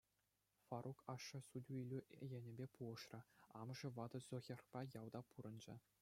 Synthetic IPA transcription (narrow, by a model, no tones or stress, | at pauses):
fɑrʔukʰɑʂːɤ̆sudʲuilʲujĕnʲɘ̆bʲepuʁɤ̆ʂrʲɤ̆ɑmʐɤ̆ʋɑd̪ɤ̆zʲoɣʲerpɑjɑwˠd̪ɑpuɾɤ̆nd͡ʑɘ̆